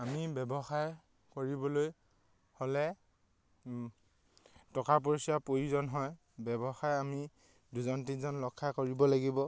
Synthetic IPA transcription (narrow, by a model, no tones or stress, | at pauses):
amibɛbɔxaɹ | koɹibɔloj | holɛ | tɔkap̬oɹsiapojizɔnɦɔj | bɛbɔxajami | duzɔntizɔnlɔkʰːajkoɹibɔlaɡibɔ